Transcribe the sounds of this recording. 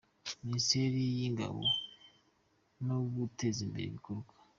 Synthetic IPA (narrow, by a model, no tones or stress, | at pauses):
ministeɾijiŋɡa̰βo̰ | noβutezimbḛḛβikoɾɡwḁ